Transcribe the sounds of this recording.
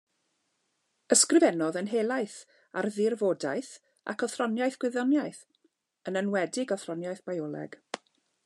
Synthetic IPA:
əskrɪvɛnɔðənɦelˠajθ | a̰rðɪrvoːdaɨθ | ʔa̰kʰɔθrɔnjajθɡ̥wɪðɔnjajθ | ənənwɛdɪɡɔθrɔnjajθb̥ajɔlˠɛ̰ɡ̥

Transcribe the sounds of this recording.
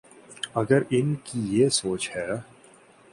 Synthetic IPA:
ɐɡəɾɪnkijesoːt͡ʃhɛː

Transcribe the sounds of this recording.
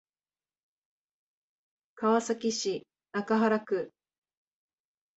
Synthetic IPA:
kaβasakʲiɕi | nakaɦaɾakɯ̟

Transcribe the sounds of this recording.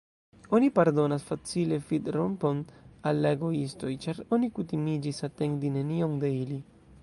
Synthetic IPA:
o̞nipaɾdo̞nasfat͡sile̞fidɾompo̞nalːaeɡo̞isto̞jt͡ʃaɾo̞nikutimid͡ʒisate̞ŋdine̞nioŋde̞ili

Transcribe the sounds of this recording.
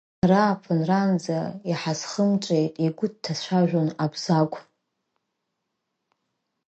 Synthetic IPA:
raːpʰɨnrand͡zaiħazχəmt͡ʃʷʼejtʼiɡʷʊd̚tʰːat͡ɕʷaʒᶣonabz̥akʷʼ

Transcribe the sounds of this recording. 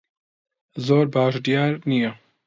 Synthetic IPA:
zoːɾbaːʃd̪ijaːɾnijɐ

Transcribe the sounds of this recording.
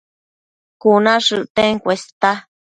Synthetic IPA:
kunãʂɨʔt̪eŋkʷest̪a

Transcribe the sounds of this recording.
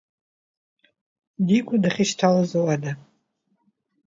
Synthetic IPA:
dikʷʼadaχʲɪʃtʰalazowada

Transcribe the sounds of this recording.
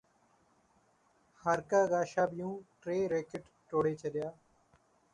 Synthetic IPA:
həɾkaːɡaːʃaːbɪjũːʈɾeːɾeːkɪʈ | ʈoːɽeːt͡ʃəɗɪjaː

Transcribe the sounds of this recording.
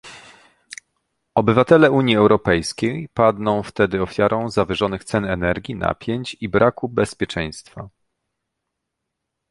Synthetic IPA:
ɔbɘvat̪ɛlɛuɲjiɛwɾɔpɛjskʲejpad̪nɔ̃w̃ft̪ɛd̪ɘɔfʲjaɾʔɔ̃w̃zavʲɘʐɔnɘxt̪sɛnɛnɛɾɡʲina̰pʲjeɲt͡ɕibɾʔakubɛspʲjɛt͡ʂɛ̃j̃st̪fa

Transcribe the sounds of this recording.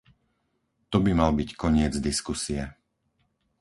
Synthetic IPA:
t̪ɔbimalbickɔɲɪɛd͡zd̪iskusijɛ

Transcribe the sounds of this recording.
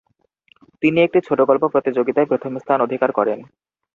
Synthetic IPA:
t̪iniek̚ʈit͡ɕʰoʈoɡɔlpopɾot̪id͡ʑoɡit̪aepɾot̪ʰomst̪ʰanod̪ʱikaɾkɔɾen

